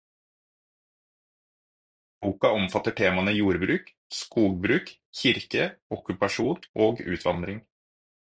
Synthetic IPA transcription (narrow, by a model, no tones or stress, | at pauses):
buːkɑɔmfɑt̪əʈʰeːmɑnəjuːɾbɾʉːk | skuːɡ̚bɾʉːk | çɪɾkəɔkʉpɑʃuːnʔoːɡʉ̰ːt̪ʰʋɑnd̪ɾɪŋ